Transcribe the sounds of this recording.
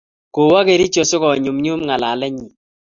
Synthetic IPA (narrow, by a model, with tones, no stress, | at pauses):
ko˨wa˦ke˨ɾi˦t͡ʃo˨sʊ˦kɔ˨ɲʊ˨mɲʊ˦mŋa˨la˨lɛ˦ɲi˨